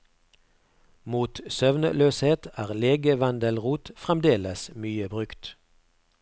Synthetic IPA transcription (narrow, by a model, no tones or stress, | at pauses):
muːt̪sœʋnə̰løːsheːt̪ʰæːʁleːɡəʋɑnd̪əlʁuːt̪fʁɛmd̪eːləsmyːəbʁʉkt̪